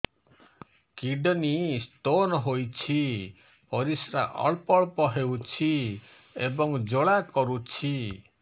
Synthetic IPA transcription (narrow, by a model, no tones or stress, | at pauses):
kiɖɔnisʈonɔɦojt͡ʃʰi | pɔɾisɾaʔɔ̰ɭpɔɭpɔɦewt͡ʃʰi | ebɔŋd͡ʒoɭakɔɾut͡ʃʰi